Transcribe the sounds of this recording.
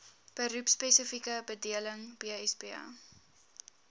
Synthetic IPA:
b̥əɾʉpspesəfikəbədiələŋb̥iɛsbiɑ̰ː

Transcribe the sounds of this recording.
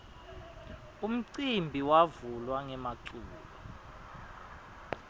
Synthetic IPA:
um̩ǀimbʱiwavulwaŋɛmaǀuːɓɔ

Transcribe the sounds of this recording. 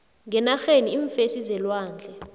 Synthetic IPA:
ŋɡɛnaxeniiɱfesizɛlwaːnd͡ɮʱɛ

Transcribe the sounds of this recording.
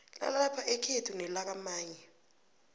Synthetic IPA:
na̰lapʰaʔɛkʰetʰunɛlak̬amaːɲɛ

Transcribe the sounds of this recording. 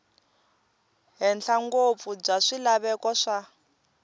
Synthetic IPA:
ɦɛnɬʰaŋɡop̪fub͡ʐaʂilaβɛkɔʂa

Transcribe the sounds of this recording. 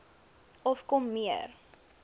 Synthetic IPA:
ɔfkɔmːiə̰r

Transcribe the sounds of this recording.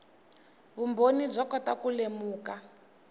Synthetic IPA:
βumbonib͡ʐɔkɔtakulemuːka

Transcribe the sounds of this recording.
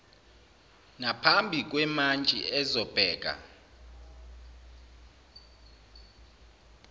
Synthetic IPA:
napʰambʱik̬wɛmant͡ʃʼḭɛzɔb̥ʱɛːk̬a̰

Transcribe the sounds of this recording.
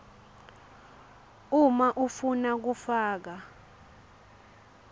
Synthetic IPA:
umaʔufunak̬ufaːk̬a

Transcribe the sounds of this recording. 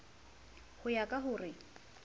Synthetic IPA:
hʊjakʼaɦʊːrɪ

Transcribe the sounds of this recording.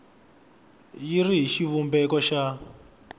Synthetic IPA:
jiriɦiʃiβumbɛkɔʃa

